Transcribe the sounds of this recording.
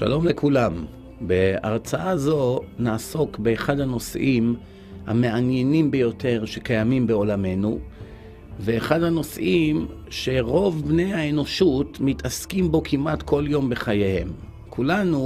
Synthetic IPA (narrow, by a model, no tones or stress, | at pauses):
ʃa̰lo̞mle̞kulam | be̞a̰ʁt͡saazo̞naːso̞kbeːχadhano̞sʔim | ha̰me̞anje̞nimbejo̞tʰe̞ʁʃe̞kajamimbeo̞lame̞nu | ve̞ːχadhano̞sʔim | ʃe̞ʁo̞vbne̞jaeno̞ʃutmitʰaskimbo̞kʰimʔatko̞ljo̞mbe̞χajehe̞̰m | kʰulanu